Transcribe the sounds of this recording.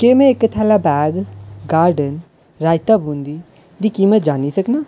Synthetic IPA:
keːmɛ̃ːɪkːət̪ʰɛːlaːbɛːɡɡaːɾɖən | ɾaːɪt̪aːbũːnd̪iː | d̪iːkiːməd͡ʒaːnisəknaː

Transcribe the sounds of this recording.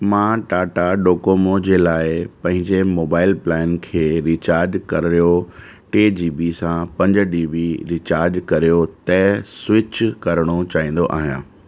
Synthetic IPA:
mãːʈaːʈaɖoːkoːmod͡ʑeːlaːɪpɐ̃ɦɪ̃ɲd͡ʑemoːbaːɪlplɛːɪnkʰeːɾiːt͡ɕaːɾd͡ʒkɐɾɾijo | ʈeːd͡ʑiːbisãpɐ̃ɲd͡ʑɖiːbiɾiːt͡ɕaːɾd͡ʒkɐɾijot̪ɛːswɪt͡ɕkɐɾəɽ̃ot͡ɕaːɦĩːn̆d̪oʔa̰ːɦijã̰ː

